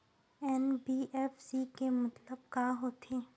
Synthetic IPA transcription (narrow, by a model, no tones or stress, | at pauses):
ɛːnbiːʔɛːfsikemɐt̪ləb̚kaːɦoːt̪ʰeː